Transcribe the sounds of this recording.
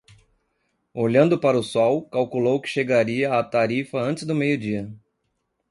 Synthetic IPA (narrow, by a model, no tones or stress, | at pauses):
oʎɐ̃nd̪ʊpaɾɐʊsɔwkawkulowkɪ̥ʃeɡaɾiɐat̪aɾifɐɐ̃nt͡ʃɪzd̪ʊmejʊd͡ʒiɐ